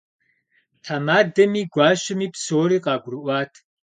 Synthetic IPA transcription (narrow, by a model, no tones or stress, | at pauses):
ħamaːdɐmiːɡʷɑːʃɐmiːpsoːɾiːqɑːɡʷrɨʔʷɑːtʰ